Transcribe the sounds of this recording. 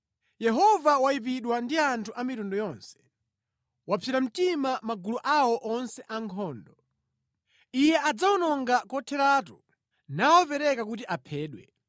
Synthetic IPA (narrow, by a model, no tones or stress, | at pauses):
jɛɦɔvawaip̬iɗwandiantʰuʔamitundɔjɔnsɛ̥ | wapfʰiɾam̩timamaɡuluʔawɔʔɔnsɛʔaŋkʰɔːndɔ | ijɛʔad͡zaɔnɔŋɡakɔtʰɛɾatu | nawɔpɛɾɛkakut̬iʔapʰɛːɗwɛ